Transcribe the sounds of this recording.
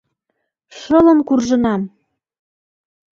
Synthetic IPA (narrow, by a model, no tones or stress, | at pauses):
ʃɤlə̆mkurʒɤ̆nɑm